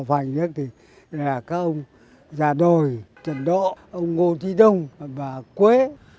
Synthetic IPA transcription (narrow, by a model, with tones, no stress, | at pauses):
fa˨˩jŋzə˦˥k̚t̪ʰi˨˩ | laː˨˩kaː˨˦˥k̚ʔə˧wŋ͡m | zaː˨˩ɗo˨˩jt͡ɕə˨nɗo˧˨ʔə˧wŋ͡mŋo˧t̪ʰi˨˦ɗə˧wŋ͡mvaː˨˩kwe˨˦